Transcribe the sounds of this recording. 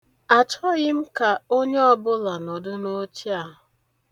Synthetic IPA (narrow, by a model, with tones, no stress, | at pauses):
a˨t͡ʃɔ˦ɣɪ˦m̩˦ka˨o˦ɲe˦ɔ˦bʊ˦la˨nɔ˨dʊ˦no˦t͡ʃi˦a˨ɦʊ˨